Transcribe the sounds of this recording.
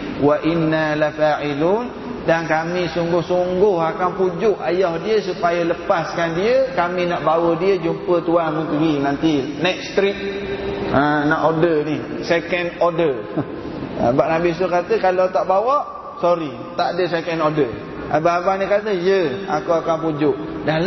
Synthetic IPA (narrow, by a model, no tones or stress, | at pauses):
waʔinːalafaːʕilun | dankamĩsuŋɡʊhsuŋɡʊhakanpud͡ʒʊʔajɔhdiəsupajələpaskandiəkamĩnaʔbawədiəd͡ʒumpət̪uanməŋk̪əɡinant̪inɛk̪̚st̪ɾit̪̚ | ənaʔodənisekɛnɔdə | ə̰̃baʔnabis̬ʊkat̪əkalot̪aʔbawɔʔ | sɔɾi | t̪aʔadəs̬ekɛnodə | ʔabəabahnĩkat̪əjəakuakampud͡ʒʊʔda